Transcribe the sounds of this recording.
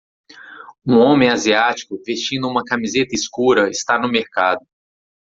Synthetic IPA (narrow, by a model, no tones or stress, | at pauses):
ũõmẽj̃aziat͡ʃi̥kʊvest͡ʃĩnd̪ʊũmɐkamizet̪ɐiskuɾɐɪst̪anʊmeɾkad̪ʊ